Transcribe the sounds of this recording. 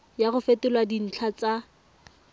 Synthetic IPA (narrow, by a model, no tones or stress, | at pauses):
jaɣʊfetɪlwadin̩t͡ɬʰat͡sa